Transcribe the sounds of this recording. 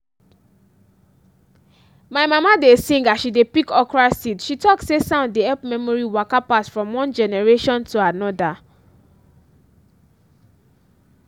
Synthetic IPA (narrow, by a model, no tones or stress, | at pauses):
maɪmamadesĩŋɡaʃidepikɔkɹasitʃitɔksesãʊ̃ndeɛlpmɛmɔɹiwakapasfɹɔ̃mwɔ̃nd͡ʒɛnɛɹeʃɔ̃ntʰuanɔda